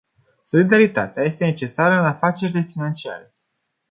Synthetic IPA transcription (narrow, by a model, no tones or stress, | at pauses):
so̞lid̪aɾit̪a̰t̪eaje̞st̪e̞ne̞t͡ʃe̞saɾəɨnafat͡ʃe̞ɾile̞finant͡ʃia̰ɾe̞